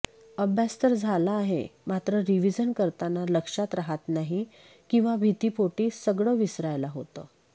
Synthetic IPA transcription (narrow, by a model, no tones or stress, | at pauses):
əbʱjast̪əɾd͡zʱalaːɦḛmat̪ɾəɾiʋid͡zənkəɾt̪analəkʂat̪ɾaɦat̪naɦi | kĩw̃ʋabʱit̪iːpoʈiːsəɡɭəːʋisɾajlaɦot̪ə̰ː